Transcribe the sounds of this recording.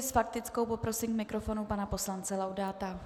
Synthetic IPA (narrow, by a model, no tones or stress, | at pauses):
sfak̚t̪ɪt͡sko̞wpo̞pɾo̞sɪmkmɪkɾo̞fo̞nupanapo̞slant͡sɛlawdaːt̪a